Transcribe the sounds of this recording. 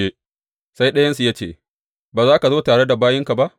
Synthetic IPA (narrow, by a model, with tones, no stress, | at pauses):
eː˦ | sa˦jɗɐ˦jɐ˦nsu˨ja˦t͡ʃḛː˦˨ | baː˨zaː˦ka˨zoː˦taː˨ɽe˦da˨baː˦jɪ˦ŋka˨ba˦ʔ